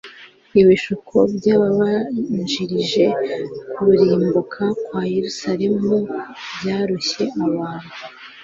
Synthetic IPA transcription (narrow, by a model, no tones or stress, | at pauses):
iβiʃukʰobɟaːβaβaʒiɾiʒe̞kuɾuɾiːmbukʰakwaːjeɾusaɾe̞mubjaːɾuçe̞ʔaβaːn̥hu